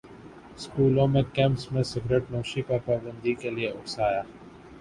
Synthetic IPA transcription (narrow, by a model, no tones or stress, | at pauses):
skuːlõmẽkɛ̃ːmpsmẽsɪɡɾeʈnoːʃipaɾpaːbə̃nd̪ikelieʊʈsaːjaː